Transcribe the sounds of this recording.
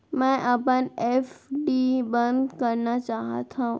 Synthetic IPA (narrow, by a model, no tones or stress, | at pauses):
mə̃ʔapənefɖibənd̪kəɾnat͡ʃaɦa̰t̪ʰaũ